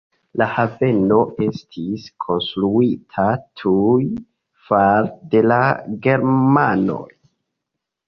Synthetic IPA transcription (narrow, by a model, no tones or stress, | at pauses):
lahave̞no̞e̞stʰiskʰo̞nstɾuitʰatʰuj | faɾde̞laɡe̞ɾmano̞̰j